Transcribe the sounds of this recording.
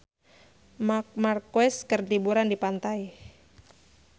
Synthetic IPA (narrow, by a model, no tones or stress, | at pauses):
mak̚markwɛskərt̪ibuɾandipant̪aj